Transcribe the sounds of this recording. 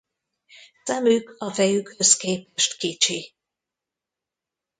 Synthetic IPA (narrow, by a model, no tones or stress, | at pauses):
sɛmykɒfɛjykʰøskeːpɛʃt̪kit͡ʃi